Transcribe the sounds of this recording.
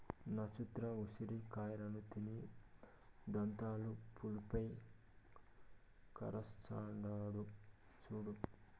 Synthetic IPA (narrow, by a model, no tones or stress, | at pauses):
nɐt͡ʃut̪ɾɐusiɾikaːjɾɐnut̪ini | d̪ɐnt̪aːlupulupɐj | kɐ̰ɾɐst͡ʃa̰ːɳɖaːɽu | t͡ʃuːɽu